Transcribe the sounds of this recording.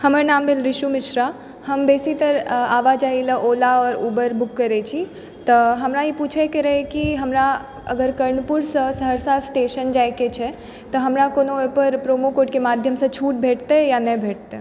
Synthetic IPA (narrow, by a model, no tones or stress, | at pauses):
həməɾnaːmbʱelɾɪʃumɪʃɾa | həmbeːsit̪əɾaːʋad͡ʒaːɦiləʔoːlaɔːɾuːbəɾbʊkːəɾet͡ʃʰi | t̪ɔɦəmɾaipuːt͡ʃʰekeɾəɦekiɦəmɾa | əɡəɾkəɾɳəpuɾsə̃səɦəɾsasʈeːʃənd͡ʒaːjket͡ʃʰɛ | t̪əɦəmɾakoːnoepəɾpɾomokoːʈkemaːd̪ʱjəmsə̃t͡ʃʰuːʈ̚bʱeːʈt̪ejanəbʱeːʈ̚t̪e